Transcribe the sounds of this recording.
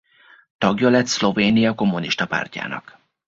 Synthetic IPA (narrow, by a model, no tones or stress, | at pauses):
t̪ɒɡjɒlɛt̪slo̞veːnijɒko̞mːuniʃt̪ɒpa̰ːrca̰ːnɒ̰k